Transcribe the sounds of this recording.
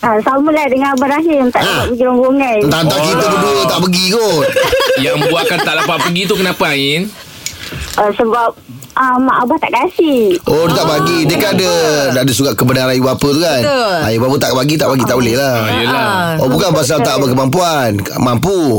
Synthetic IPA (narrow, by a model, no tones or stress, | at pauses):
asamulahdəŋanabaɾaɦɪənt̪aʔaaʔ̚bəɡiɾɔŋɡoŋajt̪ant̪aʔkit̪əd̪uduət̪aʔpəɡiko | jaŋmə̃buakant̪aʔdapaʔ̪̚pəɡit̪̬ukənapaaŋɪn | ʔəsəbap̚ | əmaʔabaht̪a̰ʔkasihʔodət̪aʔbaɡidəkanadədadəsuɡaʔkəbənaɾajibapət̪ukanajibapət̪aʔbaɡit̪aʔbaɡit̪aʔbolɛhla | jəla | obukabas̬at̪aʔbakəmamp̬ua | n | mampu